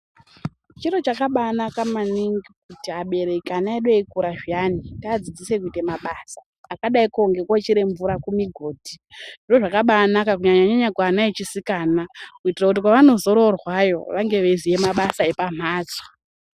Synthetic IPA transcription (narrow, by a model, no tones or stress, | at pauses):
t͡ʃiro̞t͡ʃakaɓanakamaniŋɡikutiaɓe̞ɾe̞kanaeɗeikuɾaʒianitaad͡zid͡zise̞kuitemaɓaːsḁː | kaɗaikoŋɡe̞kwat͡ʃiɾe̞ɱvuɾakumiɡʱo̞ːdʱiʐiro̞ʐakaɓanakak̬uɲaɲaɲaɲakwaːnaet͡ʃisikaːnakuitirakut̬ikwaʋano̞zo̞ɾo̞rwajo̞̰ʋaŋɡe̞ʋezije̞maɓasae̞pam̤ʱaːd͡zo̥